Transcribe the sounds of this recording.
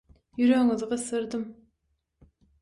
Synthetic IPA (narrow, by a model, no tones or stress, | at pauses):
jyɾøŋizʁɑsɨɾd̪ɨm